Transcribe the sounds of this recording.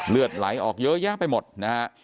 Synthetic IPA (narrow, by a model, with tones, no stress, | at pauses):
lɯ˨˩ət̪̚la˩˦jʔɔː˨˩k̚jɤ˦˥jaː˥˩pa˧jmo˨˩t̪̚na˦˥ha˦˥ʔ